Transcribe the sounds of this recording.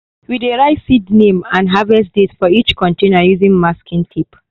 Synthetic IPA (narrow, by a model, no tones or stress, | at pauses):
wideɹaɪsidnẽmãnɦavɛsdetfɔit͡ʃkʰɔ̃ntẽnəjuzĩŋmaskĩntʰip